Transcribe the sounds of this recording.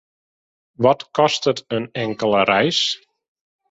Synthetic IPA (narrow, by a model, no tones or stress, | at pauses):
ʋɔtkɔstətənɛŋkəlˠəɾɛjs